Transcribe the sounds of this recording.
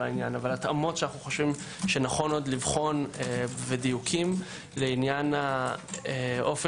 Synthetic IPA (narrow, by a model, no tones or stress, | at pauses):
ainjanavalatamo̞tʃeanaχnuχo̞ʃvim | ʃenaχo̞no̞d̪livχo̞neved̪ijukʰim | leinjanaeʔo̞fe